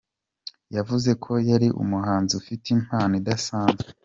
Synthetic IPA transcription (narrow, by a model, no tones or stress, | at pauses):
javuze̞kʰo̞jaɾiʔṵmuhaːnziufitim̥haːnidasaːnzɡe